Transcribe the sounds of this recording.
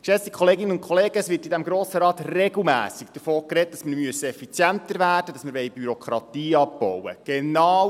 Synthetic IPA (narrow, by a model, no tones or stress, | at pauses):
ʃɛstikʰχɔleːɡɪnːənʊntkʰχɔleːɡ̥əəsʋɪːtidæmɡɾoːsəɾɑːt̪reɡl̩ˠmæ̰ːsiɡd̥̪əfoːkret̚d̥ɑsməɾmyəsəɛfit͡sjæntəɾvæːrd̥əd̥ɑsməɾʋɛjbyɾɔkχɾɑt̪iːɑbb̥ɔwə̰ɡ̥enɑːw